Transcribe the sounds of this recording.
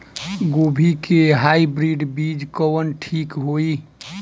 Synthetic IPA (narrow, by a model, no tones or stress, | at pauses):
ɡobʱikeɦaibɾiɖbid͡ʒkəwənʈʰikɦoi